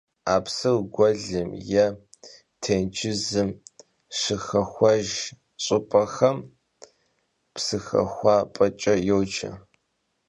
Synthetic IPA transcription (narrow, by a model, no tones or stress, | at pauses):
aːpsɨwɡʷɔɮɨmjɛ | tʰeːnt͡ʃʰʼɪzɨm | ʂɨxɐxʷɐʒ | ɕʼɨpʼɐxɐm | psɨxɐ̰xʷɑːpʼɐt͡ʃʼɐjowt͡ʃɐ̰